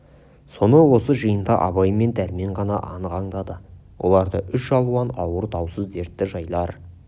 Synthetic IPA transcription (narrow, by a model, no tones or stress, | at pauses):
so̞nəwo̞səʒəjənd̪ɑʔɑ̰βɑjme̞nt̪ʰæɾme̞ɴʁɑnɑʔɑ̰nəqɑɴd̪ɑd̪əwʔo̞̰lˠɑɾd̪əʔʏʃʒɑlˠuɑnɑwəɾt̪ʰɑwsəzd̪e̞ɾt̪ːɪʒɑjlˠɑɾ